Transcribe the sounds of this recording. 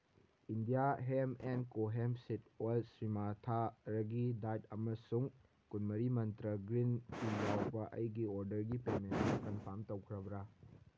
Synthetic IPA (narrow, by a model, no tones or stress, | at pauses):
indijaɦemenkoɦemsit̚walsɾimatʰaɾɐɡidatɐmɐsuŋ | kunmɐɾimɐntɾɐɡɾinkijawbɐʔɐ̰jɡioɾdɐɾɡipemenmɐkɐnpʰɐɾmtɐwkʰɾɐbɾa